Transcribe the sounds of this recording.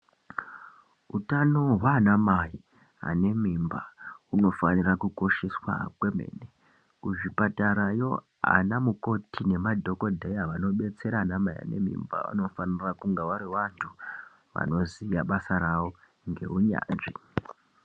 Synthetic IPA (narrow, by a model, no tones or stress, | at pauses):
utano̞ɦwanamai | a̰ne̞mimbauno̞fanirakuko̞ʃe̞swa̰kwe̞mḛːne | kuʐipataɾajo̞ | a̰namuko̞tʰine̞madʱo̞ko̞dʱejaʋano̞ɓe̞t͡se̞ɾanamaiɦa̰ne̞̰mḭmba̰ṵno̞fanirakuŋɡeʋaɾiʋantʰu | ʋa̰no̞zijaɓasaɾaʋo̞ | ŋɡe̞uɲa̰ːnʐi